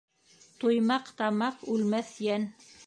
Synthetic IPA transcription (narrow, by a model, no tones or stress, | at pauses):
t̪ojmɑqt̪ɑmɑqʉlmæθjæn